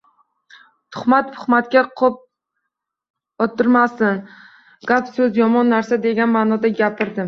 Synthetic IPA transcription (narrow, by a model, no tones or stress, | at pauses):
t̪ʰʊ̥χmat̪̚t̪ʰʊ̥χmat̪̚kʲaqʰop̚ | ɒt̪ʰːʊɾmasɪn | ɡ̥apsɵzjɒmɒnːaɾsad̪e̞ɡʲanmaːnɒd̪aɡʲapʰɪɾd̪ɪm